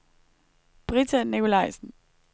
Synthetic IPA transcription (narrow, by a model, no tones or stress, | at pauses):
b̥ʁit͡sʰænikʰo̝lɑ̈ɪsn̩